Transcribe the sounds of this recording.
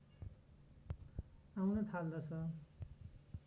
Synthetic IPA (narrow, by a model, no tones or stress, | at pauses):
awnʌt̪ʰald̪ʌt͡sʰʌ